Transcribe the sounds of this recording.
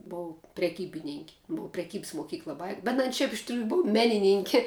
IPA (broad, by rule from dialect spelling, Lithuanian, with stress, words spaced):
ˈboːʊ pʲrʲɛˈkʲiːbʲɪnʲɪŋʲkʲ bʊ pʲrʲɛˈkʲiːps moːˈkʲiːklˠɐ ˈbɐɪ bʲɛt ɐn ˈʃʲɛɪp ɪʃ tʲrʲuː ˈboːw ˈmʲæːnʲɪnʲɪŋʲkʲɪ